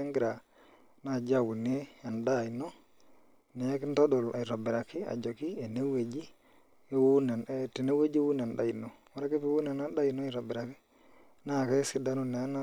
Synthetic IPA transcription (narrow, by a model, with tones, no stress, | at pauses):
e˦ŋɡi˦ɾa˨ | na˨d͡ʒa˦˨wu˨ni˦e˦a˨nda˦˨no˦ | ne˨a˦knto˦do˨la˨ɾa˨bi˨ɾa˨ki˦a̰˨d͡ʒo˨ki˦e˨ne˦we˨d͡ʒi˦ | e˦wu˦ne˨n˦ti˨ne˦we˦d͡ʒe˦wu˦ne˨nda̰˦i˨no˨ | wa˦ɾa˦ke˦pi˨wu˦ne˨na˦da˦i˨no˦i˦˨ɾa˨bi˨ɾa˨ki˦ | na˦˨ke˦si˨da˦nu˨ne˨˦na˦